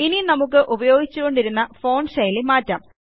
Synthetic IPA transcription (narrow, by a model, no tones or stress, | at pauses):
ininɐmuk̬ːɨʔubɐjo̞ːɡit͡ɕːuɣo̞ɳɖiɾunːɐfo̞ːɳsɐjlimaːtːɐm